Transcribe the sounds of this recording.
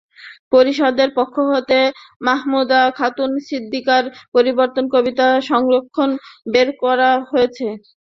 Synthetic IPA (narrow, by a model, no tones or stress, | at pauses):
poɾiʃɔd̪eɾpokʰːoɦot̪emaɦmud̪akʰat̪unsid̪ʱːikaɾpoɾiboɾt̪onkobit̪aʃɔŋɾokʰːonbeɾkɔɾaɦoet͡ɕʰe